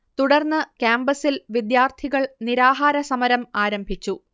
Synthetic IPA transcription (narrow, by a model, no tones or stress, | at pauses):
t̪uɽɐrnːɨkjaːmbɐsilʋid̪jaːrt̪ʰiɣɐɭniɾaːɦaːɾɐsɐmɐɾɐmaːɾɐmbʱit͡ɕːu